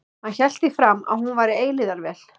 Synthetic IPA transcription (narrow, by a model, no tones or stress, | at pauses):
hançɛl̥t̪ɪfɾama̰ðhunvaːjɾɪeːjlɪðaɾvɛːl̥